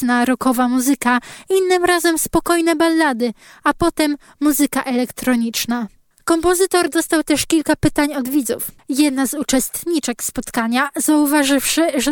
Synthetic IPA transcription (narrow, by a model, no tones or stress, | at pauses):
naɾɔkɔvamuzɘkainːɘmɾazɛmspɔkɔjnɛbalːad̪ɘ | apɔt̪ɛmː | uzɘkaʔɛlɛkt̪ɾɔɲit͡ʂna | kɔmpɔzɘt̪ɔɾd̪ɔst̪awt̪ɛʂkʲilkapɘt̪aɲɔd̪vʲid̪zṵf | jɛd̪nazut͡ʂɛst̪ɲit͡ʂɛkspɔt̪kaɲazauvaʐɘfʂɘʐ